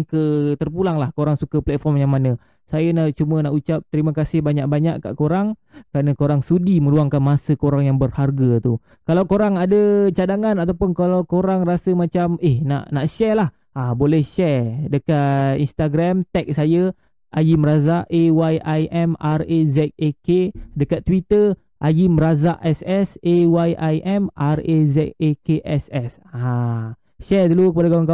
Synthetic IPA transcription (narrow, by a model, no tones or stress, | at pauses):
kət̪ərpulaŋlahkoɾaŋsukəplɛt̪̚fɔrmjaŋmanə | sajənaʔt͡ʃumənaʔut͡ʃap̚t̪əɾiməkasɪhbaɲaʔ̚baɲaʔka̰ʔkoɾaŋ | kəɾanəkoɾaŋsudimə̃ɾuaŋkanmasəkoɾaŋjaŋbərharɡət̪u | kalawkoɾaŋadət͡ʃadaŋanat̪awpʊnkalawkoɾaŋrasəmat͡ʃamehna̰ʔnaʔʃɛrlah | abolɛhʃɛrdəkat̪inst̪aɡɾamt̪ɛk̚saja | ʔajiməɾazaʔewajʔajʔɛmarezɛt̪̚ekedəkat̪ːwit̪ə | ʔajimɾazaʔɛsɛsewajʔajʔɛmʔarezɛt̪̚ekeʔɛsɛs | a | ʃɛrdulukəpadaɡawaŋka